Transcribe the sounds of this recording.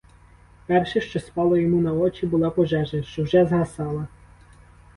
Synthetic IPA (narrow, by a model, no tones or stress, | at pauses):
pɛrʃɛʃt͡ʃɔspɑlˠɔjɔmunɐɔt͡ʃibʊlˠɑpɔʒɛʒɐʃt͡ʃɔwʒɛzɦɐsɑlˠɐ